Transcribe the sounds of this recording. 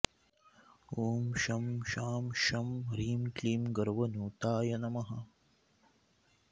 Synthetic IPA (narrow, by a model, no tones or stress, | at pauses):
uːmʃɐmʃaːmʃɐmɾiːmkliːmɡɐɾʋɐnuːt̪aːjɐnɐmɐɦɐ